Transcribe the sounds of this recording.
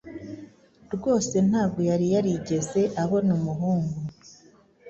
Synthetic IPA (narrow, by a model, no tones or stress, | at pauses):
ɾɡo̞ːse̞n̥haːbɡo̞jaɾijaɾiɟe̞ze̞ʔaho̞numuɦuːŋɡu